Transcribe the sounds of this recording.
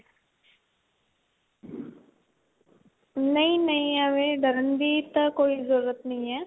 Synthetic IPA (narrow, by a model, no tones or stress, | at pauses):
nɐĩnɐĩəʋeɖəɾənd̪it̪ɐkoːizəɾːət̪nɐɦĩːɛː